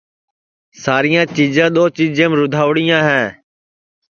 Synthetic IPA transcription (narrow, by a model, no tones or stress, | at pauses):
saːɾɪjãːt͡ʃiːd͡ʒãːɗ̪oːt͡ʃiːd͡ʒẽːmɾʊd̪ʱaːʋɽɪjãːɦɛ̃ː